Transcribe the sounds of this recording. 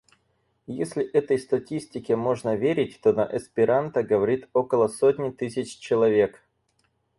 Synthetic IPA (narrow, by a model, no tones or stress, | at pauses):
jesʲlʲɪʔɛt̪əjst̪ɐtʲisʲtʲɪkʲɪmo̞ʐnəvʲeɾʲɪt̚ʲt̪onə̰ʔɐspʲɪɾant̪əɡəvɐɾʲit̪o̞kəlˠəsotʲnʲɪt̪ɨsʲɪt͡ɕt͡ɕɪlˠɐvʲe̞k